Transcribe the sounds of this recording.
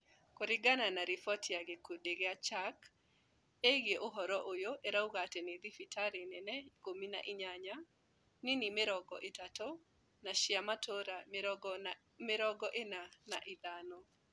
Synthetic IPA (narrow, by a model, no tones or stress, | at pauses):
koɾɪɡananaɾifɔtʰjaɡekodeɡeat͡ʃak | eɡjeʔoɦɔɾɔʔojoʔeɾauɣateneðifitʰaɾenɛnɛkomina̰ʔɪɲaɲa | nɪnimɪɾɔɡɔ̰ʔɪtato | naʃɪamatʰoɾa | mɪɾɔɡɔʔenanaʔɪd̪anɔ